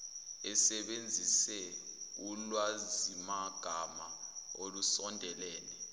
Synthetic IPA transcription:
ɛsɛɓend͡zʱisɛulwazimaɡ̥ʱamaolusɔndʱɛlɛːnɛ

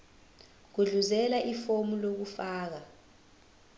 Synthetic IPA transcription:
k̬uɮuzɛlaʔifomulok̬ufaːk̬a

